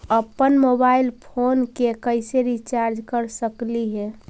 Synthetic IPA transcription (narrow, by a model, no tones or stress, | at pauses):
əpːənmobaɪlpʰonkekəɪseɾit͡ʃaɾd͡ʒkəɾsəkliɦɛ